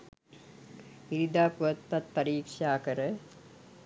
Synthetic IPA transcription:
iɾid̪aːpuʋɐt̪ːɐt̪pːɐɾiːkʂaːkɐɾə

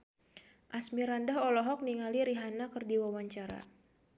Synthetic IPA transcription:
ʔasmiɾandaɦɔlɔɦɔk̚niŋaliɾiɦanakɨrdiwawaɲt͡ʃaɾa̰

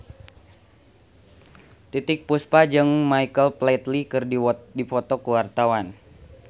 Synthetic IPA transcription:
t̪it̪ɪk̚puspad͡ʒɨŋmaikəlplat̪likɨrddifɔt̪ɔkəwart̪awan

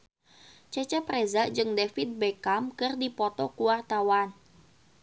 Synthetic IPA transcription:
t͡ʃɛt͡ʃɛprezad͡ʒɨŋdefit̪̚bɛkamkɨrdipɔt̪ɔkuwart̪awan

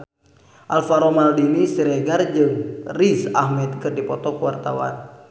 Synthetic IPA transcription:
ʔalfaɾɔmaldinisiɾɛɡard͡ʒɨŋrisa̰hmɛt̪̚kɨrdipɔt̪ɔkuwart̪a̰wa̰n

